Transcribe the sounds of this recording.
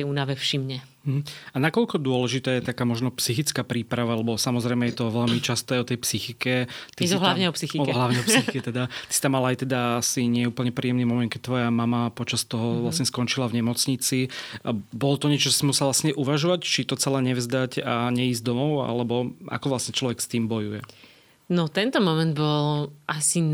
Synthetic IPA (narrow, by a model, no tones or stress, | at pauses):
ɛuːnaʋɛfʃimɲɛ | m̩ɦ̩anakɔʎkɔd̪ʊɔlɛʒit̪ɛːjɛt̪akaːmɔʒnɔpsixit͡skaːpɾiːpɾaʋalɛbɔsamɔzɾɛɪmɛjɛt̪ɔʋɛʎmit͡ʃast̪ɔajɔt̪ɛjpsixikɛt̪isɦlaʊɲɛɔpsixiɦlaʊɲɛɔpsixikɛt̪ɛd̪at̪i̥si̥t̪amːalaːjt̪ɛd̪aasiɲɪɛuːpl̩ɲɛpɾiːɛmniːmɔmɛn̚kɛc̚t̪ʋɔjamamapɔt͡ʃast̪ɔɦɔʋlasɲɛskɔnt͡ʃilavɲɛmɔt͡sɲit͡si | bɔlɔt̪ɔɲɪɛt͡ʃɔt͡ʃɔ̥simusɛlʋlasɲɛʔuʋaʒɔʋact͡ʃit̪ɔt͡sɛlɛɲɛvzd̪acaɲɛiːzd̪ɔmɔʊa̰lɛbɔʔa̰kɔʋlasɲɛt͡ʃlɔʋɛkst̪iːmbɔjujɛ | nɔt̪ɛnt̪ɔmɔmɛ̃nd̪bɔlʔasi